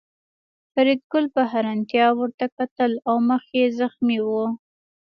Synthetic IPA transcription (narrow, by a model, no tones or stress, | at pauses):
faɾid̪̚ɡʊlpəɦaɾant̪jɑwəɾt̪akat̪əlawməxkezaxmiwu